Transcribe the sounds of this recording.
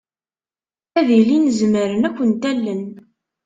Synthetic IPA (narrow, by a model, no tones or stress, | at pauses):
æðilinəzməɾənækʷːənt̪ælːən